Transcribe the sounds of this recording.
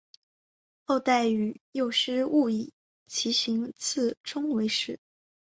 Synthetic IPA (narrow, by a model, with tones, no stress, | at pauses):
xo˥˧ʊt̪a˥˩ɪy˧˥jo˥˩ʊʂɻ̩˥u˥˧i˨˩ | t͡ɕʰi˧˥ɕi˧˥ŋt͡sʰɹ̩˥˩ʈ͡ʂʰʊ˥ŋwe˧˥ɪʂɻ̩˥˩